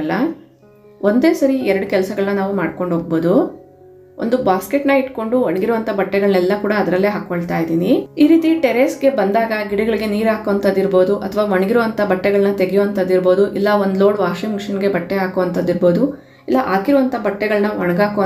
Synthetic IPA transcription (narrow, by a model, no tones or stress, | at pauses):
lːɐ | ʔo̞nd̪eːsɐɾiɛɾɐɽukɛlɐsɐɡɐɭɐnɐnaːʋumaːɖ̚ko̞ɳɖɦoːɡ̚bo̞ːd̪u | ʔo̰nd̪ubaːskeʈnɐiʈko̞ɳɖuʋɐɳɐɡiɾuʋɐnt̪ʰɐbɐʈːɛɡɐɭɐnɛlːɐkuːɽɐːd̪ɐɾɐlːeːɦaːkoɭt̪aːjid̪iːniiːɾiːt̪iʈeɾeːsɡe̞bɐnd̪aːɡɐɡiɽɐɡɐɭiɡe̞niːɾaːkoʋɐnt̪ʰɐd̪ːiɾbo̞ːd̪uʔɐt̪ʰɐʋaːʋɐɳɐɡiɾuʋɐnt̪ʰɐbɐʈːɛɡɐɭɐnɐt̪eɡɛjoʋɐnt̪ʰɐd̪ːiɾbo̞ːd̪uʔilːɐond̪lo̞ːɽʋaːʃimʂɐnɡe̞bɐʈːɛaːkoʋɐnt̪ʰɐd̪ːiɾbo̞ːd̪u | ilːɐʔaːkiɾuʋɐnt̪ʰɐbɐʈːɛɡɐɭnɐʋɐɳɐɡaːkoʋ